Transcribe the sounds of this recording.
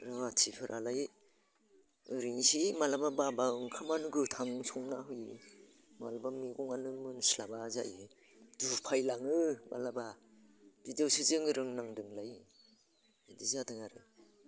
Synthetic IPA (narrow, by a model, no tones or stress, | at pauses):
ɾɯŋatʰipʰɯɾʔalaj | ɯɾiŋsimalabababaɯŋkʰamanɯɡɯtʰaŋsɔŋnaɦɯji | malabamiɡɔŋanɯmɯnslabaza̰j | dupʰajlaŋɯma̰laba | b̥idewsɯzɯŋɯɾɯŋnaŋdɯŋlaj | idizadɯŋaɾɯ